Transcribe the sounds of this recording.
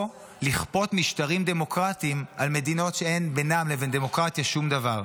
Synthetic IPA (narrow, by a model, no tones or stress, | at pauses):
liχpo̞t̪miʃtaʁimd̪e̞mo̞kʁat̪iːmʔalme̞d̪ino̞tʃeenbenamlevend̪e̞mo̞kʁat̪jaʃumd̪avaʁ